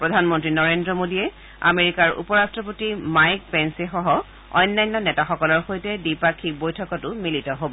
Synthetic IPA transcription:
pɹɔdʱanmɔntɹinɔɹendɹɔmodiɛ | a̰meɹikaɹṵpɔɹastɹɔp̬otimajk̚pɛnsɛxɔɦɔ | ɔ̰jnːajnːɔnɛtaxɔkɔlɔɹxojtɛdipakʰːibojtʰɔkɔtʊmilitɔɦobɔ

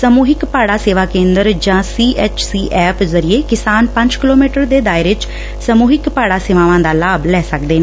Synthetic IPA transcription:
smuːɦɪkpaːɽaːseːʋaːkẽːnd̪əɾd͡ʒãːsiːʔɛːt͡ʃsiːʔɛːpzəɾɪeːkɪsaːnpəɲd͡ʒkɪloːmiːʈəɾd̪eːd̪aːɪɾʋɪt͡ʃ | səmuːɦɪkpaːɽaːseːʋãːʋãːd̪aːlaːblɛːsəkd̪eːne

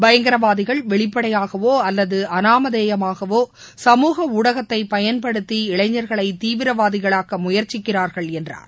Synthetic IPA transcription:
bɐjɐŋɡɐɾɐʋaːðɪɣɐɭʋɛɭɪpːɐɽɐjaːɣɐʋoːɐlːɐðɯɐnaːmɐðeːjɐmaːɣɐʋoː | sɐmuːɣɐuːɽɐɣɐt̪ːɐɪpɐjɐnpɐɽɯt̪ːiɪɭɐɪɲːɐɾɣɐɭɐɪt̪iːʋɪɾɐʋaːðɪɣɐɭaːɣɐmʊjɐɾt͡ʃɪkːɪraːɾɣɐɭɛndra̰ːɾ

